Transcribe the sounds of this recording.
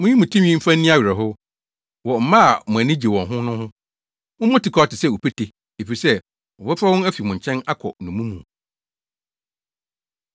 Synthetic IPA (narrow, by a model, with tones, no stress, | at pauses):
mʊ̃˦jĩ˦mʊ̃˨tʰĩ˦m˦ĩ˦m̩˦fã˦n̩˦nĩ˦a˦ɥɛ˨ɦʊ˦ | wɔ˨m̩˨mã˦a˨mʊ̃˨æ˨nɪ̃˦d͡ʑe˨wɔ̃˨ɦʊ̃˦nʊ̃˦hʊ̃˦ | mʊ̃˦mʊ̃˦tɪ˨kʰɔ˨˦a˨tɪ˨sɛ˦˨wo˨pʰe˦tʰe˨ | e˨fi˨sɛ˦ | wɔ˨bɛ˦fa˦wɔ̃˦næ˦fi˨mʊ̃˨ɲ˨t͡ɕʰɛ̃˦na˦kʰɔ̰˨nʊ̃˨mũ˦mũ˨